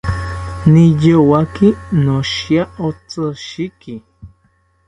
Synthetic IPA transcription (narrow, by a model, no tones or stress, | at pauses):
nijowakinoʃjaot͡sʼəʃiki